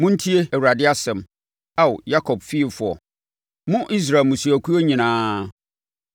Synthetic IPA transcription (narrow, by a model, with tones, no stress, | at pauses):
mʊ̃˦n̩˦tʰi˦e˦æ˨wu˨ɾa˨dɪ˦a˦sɛ̃˨m | a˦wʊ˨ja˦kʰɔ˨b̚fi˦e˨fʊ˨ɔ̰˨ | mʊ̃˦ʔi˦s̬ɾa˨lmũ˨su˨æ˨kʰu˦o˦ɲĩ˨nãː˦